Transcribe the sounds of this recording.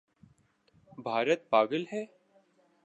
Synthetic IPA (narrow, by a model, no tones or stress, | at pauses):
bʱaːɾət̪̚paːɡəlɦɛː